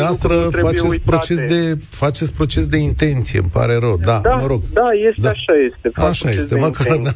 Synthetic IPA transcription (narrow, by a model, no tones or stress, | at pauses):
east̪ɾəfat͡ʃet̪sʲpɾo̞t͡ʃe̞s̬d̪e̞fat͡ʃet̪sʲpɾot͡ʃe̞s̬d̪e̞int̪e̞nt̪sijḛməpa̰ɾe̞ɾəwd̪aməɾo̞ɡd̪ajesd̪aʃajest̪eaʃaje̞st̪emakaɾn